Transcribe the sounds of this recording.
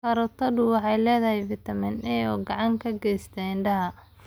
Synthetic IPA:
kɐɾɔt̪ʰɐdʊwɑħɑjlɛːðɐɦɛjvɪt̪ʰɐmɪnɛɔːɡɑʕɑŋkʰɐɡɛjst̪ʰɐɪnɖɐɦɐ

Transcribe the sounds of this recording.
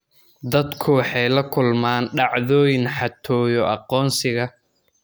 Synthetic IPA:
d̪ɐd̪kʰʊwɑħɑjlɐkʰʊlmaːnɖɑʕðɔːjɪnħɑt̪ʰɔːjɔʔɑqɔːnsɪɣɐ

